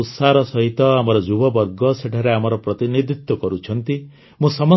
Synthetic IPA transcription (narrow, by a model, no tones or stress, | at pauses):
ut̪saɾɔsɔɦit̪ɔamɔɾɔd͡ʒubɔbɔɾɡɔseʈʰaɾeamɔɾɔpɾɔt̪inid̪ʱit̪wɔkɔɾut͡ʃʰɔnt̪i | mũsɔmɔ